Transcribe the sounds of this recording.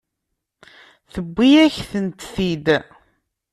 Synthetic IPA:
θəbːijæçθənt̪θid̪

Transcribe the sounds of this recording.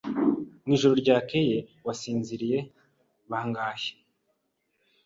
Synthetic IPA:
niːʒuɾo̞ɾɟaːkeje̞wasiːnziɾije̞ | βaaŋɡaːçe̥

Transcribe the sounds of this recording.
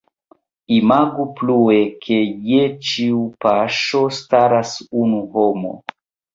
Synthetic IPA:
imaɡuplue̞kʰe̞jet͡ʃiupaʃo̞staɾasunuhomo̞̰

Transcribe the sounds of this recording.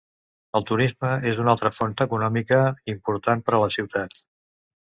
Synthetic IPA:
əlˠt̪uɾizməezunalˠt̪ɾəfont̪əkunɔmikəimpuɾt̪anpəɾələsiwt̪at̪

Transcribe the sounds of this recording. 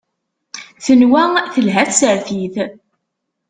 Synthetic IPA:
θənwæθəlɦæθsəɾθiθ

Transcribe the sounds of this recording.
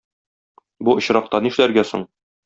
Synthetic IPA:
buŏɕɾɑq̚t̪ɑniʃlæɾɡæso̰ɴ

